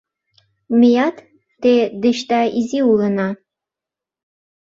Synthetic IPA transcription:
mejɑt̪ː | ed̪ɘ̆ʃt̪ɑiziulə̆nɑ

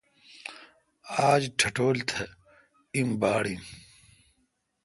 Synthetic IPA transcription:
aːd͡ʑʈʰɐʈoːlt̪ʰɐ | imbaːɽin

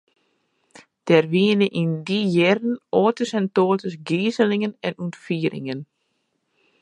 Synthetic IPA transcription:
d̥ɛrʋiənəʔindijɛrn̩ɔːtəsɛntoːtəsɡiːzəlɪŋənɛnuntfiːɾʔɪ̰ŋən

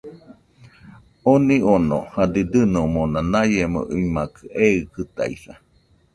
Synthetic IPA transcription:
oniono̰had̪id̪ɨnomonanajemo̰ʔiimakɯʔeɯkɨt̪a̰iθa

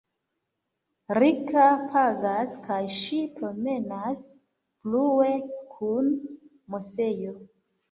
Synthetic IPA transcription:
ɾikapʰaɡaskajʃipɾome̞nas | pluekʰun | mose̞jo̞

